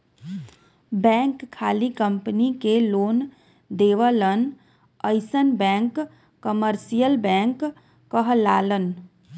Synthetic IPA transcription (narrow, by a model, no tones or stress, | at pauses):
bɛ̃ːŋkʰːaːlikəmpnikeloːn | d̪eːʋələn | əɪsənbɛ̃ːŋkː | əməɾsijəlbɛ̃ːŋkː | əɦlaːlən